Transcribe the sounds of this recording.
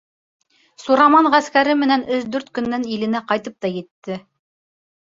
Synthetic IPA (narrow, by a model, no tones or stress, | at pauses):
suɾɑmɑɴʁæskæɾɘmɘ̆nænɘʃd̪ʉɾt̪kɵ̆nːænilɘ̆næqɑjt̪ɤp̚t̪ɑjɘ̆t̪ːɘ